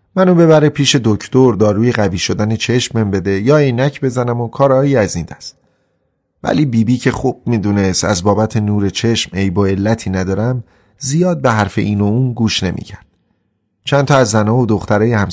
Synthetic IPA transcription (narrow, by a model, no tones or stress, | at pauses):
mænuːbe̞βæɾepʰiːʃe̞d̪ocʰt̪oɾd̪ɒːɾuːjeɣæviːʃo̞d̪ænet͡ʃʰe̞ʃmembe̞d̪e̞jɒːenæcʰbe̞zænæmokʰɒːɾɒːjiːæzind̪æst̪ | væ̰liːbiːbiːcʰe̞χuːb̥̚miːd̪uːne̞st̪æ̰zbɒːbæt̪ʰe̞nuːɾe̞t͡ʃʰe̞ʃmejboe̞lːæt̪ʰiːnæd̪ɒːɾæm | zijɒːd̪̚be̞ɦæɾfe̞ʔiːnouːnɡuːʃne̞mʔḭːcʰæɾd̪̥ | t͡ʃʰænt̪ʰɒːæzːænɒːvod̪o̞xt̪ʰæɾɒːjehæm